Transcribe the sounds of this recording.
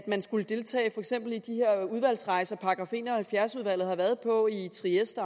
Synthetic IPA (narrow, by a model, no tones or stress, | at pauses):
d̥mænsɡ̥uləd̥e̝lt͡sʰɛ̰ːɪfɒ̽eɡ̥sem̰b̥l̩id̥ihe̝ɐ̰uð̞ˠʋæl̰sʁɑ̈ɪsɐpʰɑ̈ɡ̥ʁɑ̈fe̝̰ːnɒhælfjæɐsuð̞ˠʋæl̰ð̩ˠhɑ̈ʋæɐð̞ˠpʰɒ̽it͡sʰʁiesd̥ɐ